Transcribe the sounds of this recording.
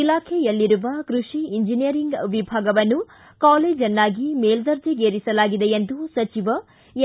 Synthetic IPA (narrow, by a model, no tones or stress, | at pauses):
ilaːkʰɛjɐlːiɾuʋɐkɾuʂiiɲd͡ʒinijɐɾiŋɡʋibʱaːɡɐʋɐnːu | kaːleːd͡ʒɐnːaːɡimeːld̪ɐɾd͡ʒeɡeːɾisɐlaːɡid̪ejend̪usɐt͡ʃiʋɐ